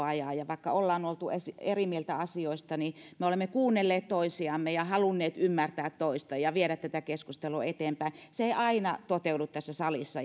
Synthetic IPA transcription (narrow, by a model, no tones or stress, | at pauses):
ɑjɑːˑjɑʋɑikːɑolːɑːnolt̪uesierimielt̪æɑsioist̪ɑnimeolemːekuːnːelːeːt̪t̪oisiɑmːejɑhɑlunːeːt̪ymːært̪æːt̪t̪oist̪ɑjɑʋieɾæt̪t̪ːæt̪ækeskust̪eluet̪eːmpæiseeiʔɑinɑt̪ot̪eudut̪t̪æsːæsɑlisːɑ